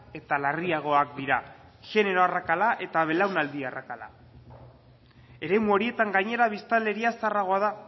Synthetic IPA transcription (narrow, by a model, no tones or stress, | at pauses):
e̞t̪alariaɣ̞o̞ak̚d̪iɾaʝe̞ne̞ɾo̞arakalaʔe̞t̪aβe̞lawnald̪iarakala̰ | e̞ɾe̞muo̞ɾie̞t̪aŋɡajɲe̞ɾaβist̪ale̞ɾiasaraɣ̞o̞aða